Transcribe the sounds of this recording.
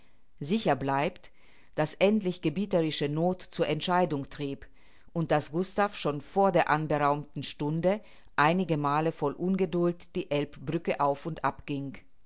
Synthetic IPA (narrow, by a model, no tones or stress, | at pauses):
zɪçɐblaɪpt | d̥asʔɛntlɪçɡ̥əbiːtəʁɪʃənoːtt͡suːɐʔɛntʃaɪdʊŋtʁ̥iːp | ʔʊnt̚d̥asɡ̥ʊstafʃoːnfoːɐdeːɐʔanbəʁaʊmtn̩ʃtʊndə | ʔaɪnɪɡəmaːləfɔlʔʊnɡədʊltd̥iːʔɛlpb̥ʁʏkəʔaʊfʊntʔa̰pɡ̥ɪŋ